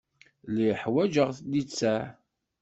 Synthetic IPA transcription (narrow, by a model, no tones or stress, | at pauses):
liħwæd͡ʒəʁθlit͡sːæ